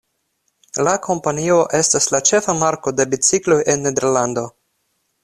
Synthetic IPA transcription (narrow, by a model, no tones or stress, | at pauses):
lakʰo̞mpanio̞ʔe̞staslat͡ʃe̞famaɾko̞de̞bit͡siklo̞jʔe̞nːe̞d̪eɾland̪o̞